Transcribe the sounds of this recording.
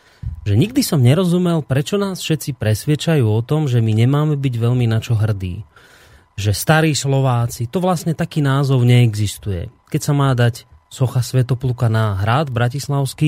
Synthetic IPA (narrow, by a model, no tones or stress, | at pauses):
ʒɛɲiɡd̪isɔmɲɛɾɔzumɛlpɾɛt͡ʃɔnaːsfʃɛt̪t͡sipɾɛsʋɪɛt͡ʃajuːɔt̪ɔmʒɛmiɲɛmaːmɛbiɟʋɛʎminat͡ʃɔɦr̩d̪ḭː | ʒɛst̪aɾiːslɔʋaːt͡sit̪ɔʋlasɲɛt̪akiːnaːzɔʊɲɛːɡzist̪ujɛ̰kɛcsamaːd̪acsɔxasʋɛt̪ɔplukanaɦɾaːd̪bɾacislaʊski